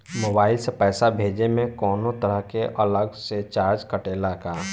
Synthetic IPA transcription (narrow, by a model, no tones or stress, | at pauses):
moːbaːɪlsepɛːsabʱeːd͡ʒemẽkɔːnõt̪əɾəɦkeʔɐləɡset͡ʃaːɾd͡ʒkəʈeːlakaː